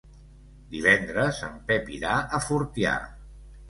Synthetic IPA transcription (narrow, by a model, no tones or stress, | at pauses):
d̪iβ̞ɛnd̪ɾəzə̰mpɛpiɾaʔəfuɾt̪ja̰